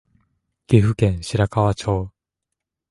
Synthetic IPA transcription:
ɡ̥ʲeɸɯ̟kẽ̞ɰ̃ɕiɾakaβat͡ɕoː

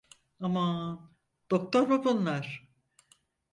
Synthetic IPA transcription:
ama | d̪̥o̞k̚t̪ʰoɾmabunlˠaɾ̥

